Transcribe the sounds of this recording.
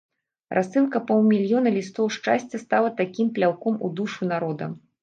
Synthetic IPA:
rʔasːɨlkɐpɔwˠmʲilʲjɔnɐlʲist̪ɔwʂt͡ʂasʲt͡sʲɐst̪alˠɐt̪akʲimplʲawkɔmṵd̪uʂunaɾɔd̪ɐ̰

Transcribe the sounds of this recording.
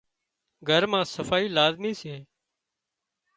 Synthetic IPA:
ɡʱəɾmãːsəfaːiːlaːzmiːseː

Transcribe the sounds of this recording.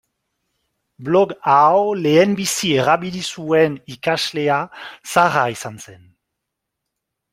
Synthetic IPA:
blɔɡawleɛnbisieʁabilisuɛnikasleasaʁaisansɛn

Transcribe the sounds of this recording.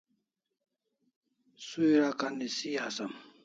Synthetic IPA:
suiɾakanisiasɐm

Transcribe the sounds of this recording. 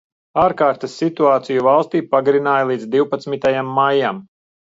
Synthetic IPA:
aːɾkaːɾt̪asːit̪uaːt̪sijuvalˠst̪iːpaɡɾinaːjalˠiːd̪d̪iwpat̪smit̪ajamːajam

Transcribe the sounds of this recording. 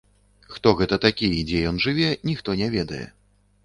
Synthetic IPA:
xt̪ɔɣɛt̪ɐt̪akʲijɛd͡zʲɛjɔnʐɨvʲɛnʲixt̪ɔnʲɛvʲɛd̪ɐjɛ̰

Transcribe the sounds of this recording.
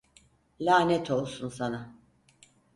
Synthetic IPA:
lʲaːnɛt̪ʰo̞lˠsunsana

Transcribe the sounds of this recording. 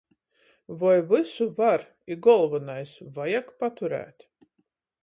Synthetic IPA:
vɔjvɨsuvaɾ | iɡɔlˠvɨnajsvajakpat̪uɾæ̰ːt̪

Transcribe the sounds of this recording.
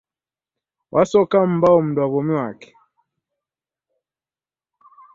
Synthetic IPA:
wʔasɔkam̩bawɔm̩dwaβɔmiwakɛ̥

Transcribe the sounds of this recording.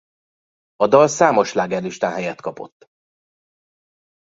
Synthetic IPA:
ɒd̪ɒlsaːmo̞ʃlaːɡɛnːyʃt̪aːnɦɛjɛt̪kɒpo̞̰t̪ː

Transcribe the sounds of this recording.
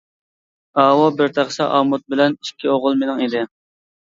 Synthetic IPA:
ɑːwɑbɪɾt̪ʰæχsɑ̰ʔɑmut̪̚bɪlɛniʃkʲʰːioʁʊlˠmenɪŋed̪ɪ

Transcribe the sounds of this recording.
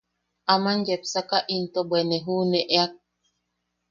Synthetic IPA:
amanjepsakaʔint̪obeneɦuːneʔeak̚

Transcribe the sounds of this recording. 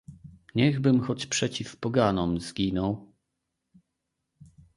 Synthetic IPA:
ɲɛɣbɘmxɔt͡ɕpʂɛt͡ɕifpɔɡanɔmzɡʲinɔw

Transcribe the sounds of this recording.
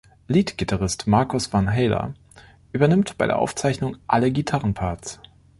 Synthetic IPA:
liːtɡ̥itʰaʁɪstmaɐkʊsv̥anɦɛːlɐ̰ | ʔyːbɐnɪmtb̥aɪdḛɐ̰ʔa̰ʊft͡saɪçnʊŋʔaləɡitʰaʁənpʰaɐts

